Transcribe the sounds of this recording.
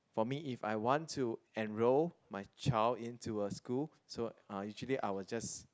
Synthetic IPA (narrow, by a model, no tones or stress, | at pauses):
fɔmiifa̰jwɔ̃ntʰːuɛ̃nɹolmajt͡ʃaɪldĩntʰuəskul | soãjut͡ʃəliʔa̰ɪwɔd͡ʒas